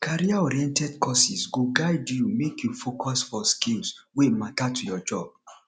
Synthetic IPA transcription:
kʰaɾiaɔɾiɛ̃ntɛdkʰɔsisɡoɡaɪdjumekjufokɔsfɔskĩlswematatʰujɔd͡ʒɔb̥̚

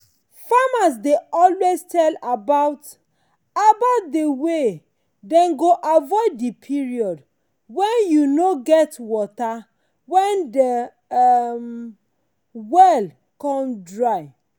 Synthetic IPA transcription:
famas̬deɔlwestɛlabaʊt | abaʊt̚dewe | dɛ̃nɡoʔavɔɪddipʰiɹiɔd | wɛ̃njunoɡɛtwɔta | wɛ̃ndə | m | wɛl | kɔ̃mdɹaɪ

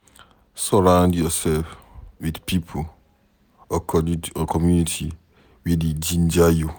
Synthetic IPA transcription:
sɔɹãʊ̃ndjɔsɛlfwidpʰipʰol | əkʰɔdĩtʰuəkʰɔmjunitʰi | wided͡ʒĩnd͡ʒaju

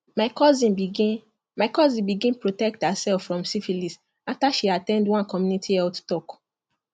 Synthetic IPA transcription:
maɪkɔzĩnbiɡ | maɪkɔzĩbiɡĩnpɹotɛk̚thasɛffɹɔ̃msifilis | aftaʃiatɛ̃ndwãnkɔmjunitʰiɛlttɔk

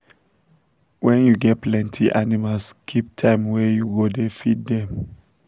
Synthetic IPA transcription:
wɛ̃njuɡɛt̚plɛ̃ntʰiʔanimalskʰip̚tʰãɪ̃mwɛjuɡodɛfid̚dɛm

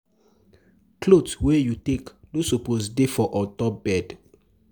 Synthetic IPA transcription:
klodswejuteklosoposdefɔʔɔtɔbɛd

